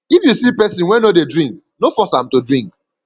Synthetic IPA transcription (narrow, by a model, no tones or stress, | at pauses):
ifjusipɛsĩnwɛnodedɹĩŋk | nofɔsãmtudɹĩŋk